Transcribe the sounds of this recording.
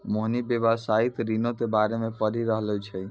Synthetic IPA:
moɦnibebasait̪ɾinok̪ebaɾemepəɾiɾəɦlɛt͡ʃʰɛ

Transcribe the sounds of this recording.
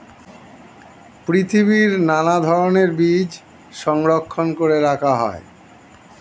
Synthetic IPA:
pɾit̪ʰibiɾnanad̪ʱɔɾoneɾbid͡ʑ | ʃɔŋɾokʰːonkoɾeɾakʰaɦɔ̰e

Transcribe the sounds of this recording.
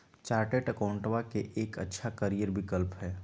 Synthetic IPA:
t͡ʃaːɾʈeːʈəkaʊ̃ɳʈʋakeʔeːkə̰tːʃʰakəɾijəɾbʱɪkəlpɦɛː

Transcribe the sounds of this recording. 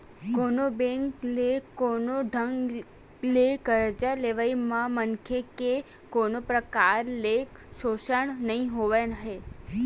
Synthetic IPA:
konobẽŋklekonoɖʱəŋɡ | lekəɾd͡ʒaleʋaimãmənkʰeke | konopɾəkaɾlek | ʃoʃəɳnəɦĩɦoʋanəɦe

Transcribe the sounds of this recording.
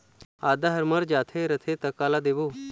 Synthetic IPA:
aːd̪aɦəɾməɾd͡ʒaːt̪ʰeɾət̪ʰet̪əkaːlad̪eʋuː

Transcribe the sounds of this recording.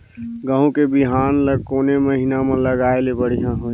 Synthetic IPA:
ɡə̃ũkebiɦaːnləɡkoːneməɦinamə̃ləɡaːelebəɽ̤ijãɦoː

